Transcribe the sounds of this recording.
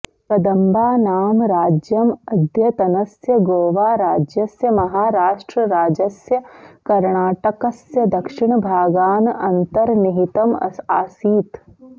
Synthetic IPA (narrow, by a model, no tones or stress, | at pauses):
kɐd̪ɐmbaːnaːmɾaːd͡ʒjɐmɐd̪ʱjɐt̪ɐnɐsjɐɡoːʋaːɾaːd͡ʒjɐsjɐmɐɦaːɾaːʃʈɾəɾaːd͡ʒɐsjɐkɐɾɳaːʈɐkɐsjɐd̪ɐkʃɪɽ̃bʱaːɡaːnɐnt̪ɐɾnɪɦit̪ɐmɐ̰aːsiːt̪